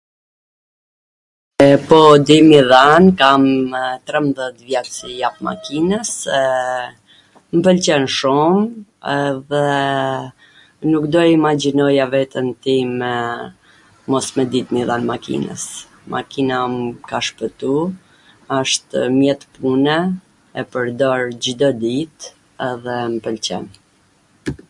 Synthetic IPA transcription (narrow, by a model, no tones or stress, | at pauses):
pɔd̪imiðankamt̪ɾɛmðɛt̪vjɛsijap̚ma̰kinəs | mpəlt͡ɕɛnʃumɛðɛ | nukd̪ɔimad͡ʑinɔjavɛt̪ənt̪imɛ | mɔsmɛd̪it̪miðanmakḭnə̰s | mʔa̰kinakaʃpət̪u | əʃt̪mjɛt̪punɛ | ɛpəɾd̪ɔɾd͡ʑd̪ɔd̪it̪ | ɛðɛmpəlt͡ɕɛ̰n